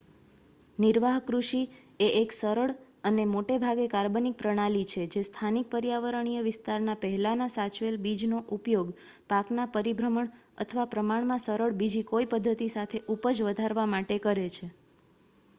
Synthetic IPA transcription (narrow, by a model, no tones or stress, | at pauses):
niɾʋaɦkɾuʃi | eʔeksəɾəɭ | ənemoʈebʱaɡekaɾbənik̚pɾəɽ̃alit͡ʃʰed͡ʒest̪ʰanik̚pəɾjaʋəɾəɳ̃ijəʋɪst̪aɾnapəɦɛlanasat͡ʃʋelbid͡ʒnoʔupjoɡ | paknapəɾibʱɾəməɳ | ə̰t̪ʰəʋapɾəmaɳ̃mãsəɾəɭbid͡ʒikoipəd̪ʱːət̪isat̪ʰeʔupəd͡ʒʋəd̪ʱaɾʋamaʈekəɾet͡ʃʰe